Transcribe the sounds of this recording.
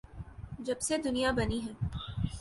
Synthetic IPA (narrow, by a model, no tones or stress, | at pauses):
d͡ʒɐbsed̪ʊnijabɐniɦɛː